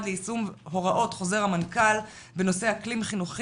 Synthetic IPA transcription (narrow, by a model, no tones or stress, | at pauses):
d̪leisumɦo̞ʁaʔo̞tχo̞ze̞ʁamankal | beno̞se̞haklimχinuχ